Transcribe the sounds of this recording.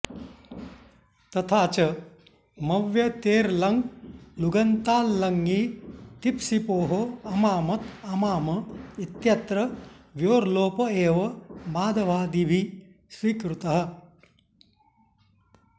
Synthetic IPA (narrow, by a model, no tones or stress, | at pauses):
t̪ɐt̪ʰaːt͡ʃɐ | mɐʋjɐt̪eːɾlɐŋɡluɡɐnt̪aːlːɐŋɡit̪ipsipoːɦoɐmaːmɐt̪ɐmaːmɐit̪jɐt̪ɾɐʋjoːɾloːpɐeːʋɐmaːd̪ɐʋaːd̪ibʱi | sʋiːkɾut̪ɐɦɐ̆